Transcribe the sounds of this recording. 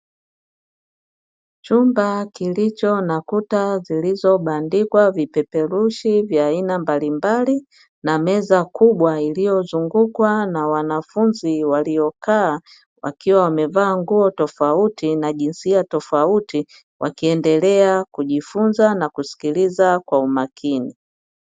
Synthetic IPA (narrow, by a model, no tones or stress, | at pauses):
t͡ʃumbakilit͡ʃɔnakutazilizɔɓandikwavipɛpɛluʃivjaːinambalimbali | namɛzakuɓwailijɔzuŋɡukwanawanafunziwalijɔkaː | wa̰kiwawamɛvaːŋɡuɔtɔfautinaʄinsiatɔfauti | wʔakiɛndɛlɛakuʄifunzanakusi̥kilizakwaumakʰini